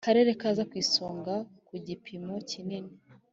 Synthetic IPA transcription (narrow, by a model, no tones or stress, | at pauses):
kaɾe̞ɾe̞kaːzakwiːsoːŋɡakuɟipʰimo̞cinini